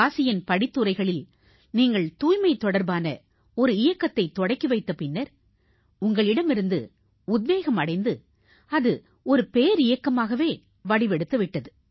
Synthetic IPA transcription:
aːsɪjɐnpɐɽɪt̪ːɯɾɐɪɣɐɭɪl | niːŋɡɐɭt̪uːjmɐɪt̪ːɔɽɐɾbaːnɐ̰ | ɔɾɯɪjɐkːɐt̪ːɐɪt̪ːɔɽɐɪkːiʋɐɪt̪ːɐpɪnːɐɾ | ʊŋɡɐɭɪɽɐmɪɾɯnd̪ɯ̰ | ʊðʋeːɣɐmɐɽɐɪnd̪ɯ | ɐðɯ | ɔɾɯpeːɾɪjɐkːɐmaːɣɐʋeː | ʋɐɽɪʋɛɽɯt̪ːɐʋɪʈːɐðɯ

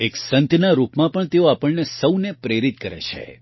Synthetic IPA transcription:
eksənt̪naɾupmãpəɳt̪eoapəɭnesəwnepɾeɾit̪̚kəɾḛt͡ʃʰḛ

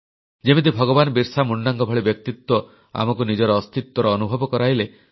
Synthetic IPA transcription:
d͡ʒemet̪̬ibʱɔɡɔbanɔbiɾsamuɳːaŋɡɔbʱɔɭibjɔk̚t̪it̪wɔ | a̰mɔk̬unid͡ʒɔɾɔːst̪it̪wɔɾɔːnubʱɔbɔkɔɾaɦile

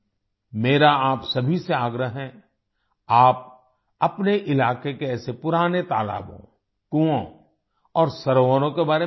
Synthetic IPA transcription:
meːɾaaːpsɐbʱiseaːɡɾəɦɦɛ̃ | aːp̚ | ɐpneʔɪlaːkekeɛːsepʊɾaːnet̪aːla̰ːbõ̰ | kuõ | ɔːɾsɐɾoəɾõkebaːɾe

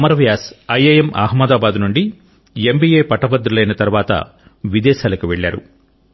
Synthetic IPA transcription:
ɐmɐɾɐʋjaːsɐjejemʔa̰ːɦmːɐd̪aːbaːd̪nuɳɖi | embiːjeːpɐʈɐpɐd̪ɾulɐjnɐt̪ɐɾuʋaːt̪ɐ̰ | ʋid̪ɛːʃaːlɐkuʋeɭːaːɾṵ

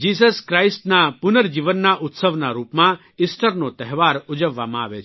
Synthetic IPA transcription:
d͡ʒiːs̬əskɾaisʈnapʊnəɾd͡ʒiʋənːaʔʊt̪səʋnaɾuːpmã | ɪsʈəɾnot̪ɛɦʋaɾʊd͡ʒəʋːamãaʋet͡ʃʰ

